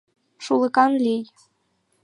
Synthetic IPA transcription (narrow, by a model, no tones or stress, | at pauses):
ʂulˠɤ̆kɑnlʲij